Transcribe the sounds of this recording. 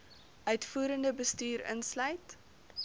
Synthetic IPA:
ʔœɥtfuːɾəndəbəstyːɾə̰nslœɥt

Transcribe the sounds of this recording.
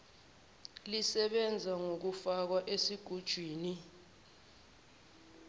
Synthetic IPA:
lisɛɓɛnd͡zʱaŋok̬ufak̬waʔesiɡ̥ʱud̥ʒ̥ʱwiːni

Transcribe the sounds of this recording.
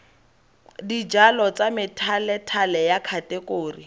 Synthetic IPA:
did͡ʒalɔt͡samɪtʰalɛtʰalɛjakʰatʼɛkoːri

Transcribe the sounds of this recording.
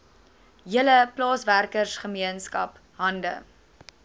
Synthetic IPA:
ɦiələplɑːsværkərsχəmiənskɐ̰p | ɦɐndə̰

